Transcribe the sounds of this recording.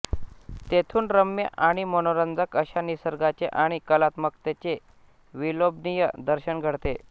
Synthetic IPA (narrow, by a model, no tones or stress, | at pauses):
t̪et̪ʰuːnɾəmjəʔaɽ̃imənoɾənd͡z̪ʱəkəɕanisəɾɡat͡ɕeʔaɽ̃ikəlat̪mək̚t̪et͡ɕe | ʋilobnijəd̪əɾɕəɳɡʱəɽt̪e